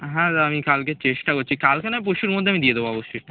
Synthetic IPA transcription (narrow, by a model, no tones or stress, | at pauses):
ɦɛ̃amikalket͡ɕeʃʈakoɾt͡ɕʰikalkenap̬oʃuɾeɾmod̪ʱːeamid̪ied̪eboɔboʃːoj